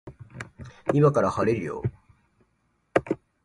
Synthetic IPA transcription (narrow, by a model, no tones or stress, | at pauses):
imakaɾahaɾeɾɯjo̰